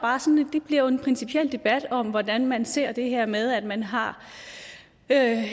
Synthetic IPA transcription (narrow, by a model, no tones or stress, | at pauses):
b̥ɑ̈ːsɒ̽ned̥eb̥liɐjoe̝npʰʁɛnsipʰiel̰d̥e̝b̥æd̥ɒ̽m̰ʋɒd̥ænmænse̝ɐ̰d̥e̝ɦeɐ̰með̞ˠæd̥mænɦɑ̈ | ø